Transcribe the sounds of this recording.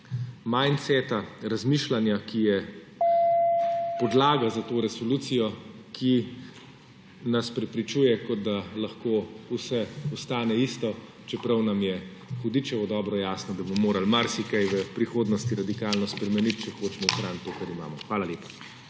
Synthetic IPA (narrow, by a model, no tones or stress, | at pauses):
majnsɛt̪aɾazmiːʃlanjakijɛ | pɔd̪laːɡazat̪oːɾɛsɔluːt̪sijɔ | kʰi | naspɾɛpɾit͡ʃujɛkɔd̪d̪alaxkoːusɛɔst̪aːnɛist̪ɔ | t͡ʃɛpɾɐwnamjɛ | xɔd̪it͡ʃɛʋɔd̪ɔːbɾɔjaːsnɔd̪abomːoːɾalmaɾsikajʋəpɾixoːd̪nɔst̪iɾad̪ikaːlnɔspɾɛmɛnit̪t͡ʃɛxoːt͡ʃmɔuxɾant̪oːkaɾima̰ːmɔxʋaːlaleːpḁ